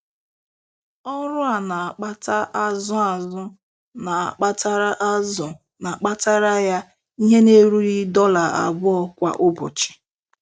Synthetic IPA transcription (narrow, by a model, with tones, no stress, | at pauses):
ɔ˦ɾʊ˦a˨na˨a˨k͡pa˦ta˦ʔa˦zʊ˦a˨zʊ˦ | na˨a̰˨k͡pa˦ta˦ɾa˦ʔa˦zʊ˨ | na˨k͡pa˦ta˦ɾa˦ja˦ | i˦ɦe˦ne˦ɾu˦ɾi˦dɔ˦la˨a̰˨bʊ˦ɔ˦kʷa̰˦ʔʊ˦bʊ̰˨t͡ʃi̥˨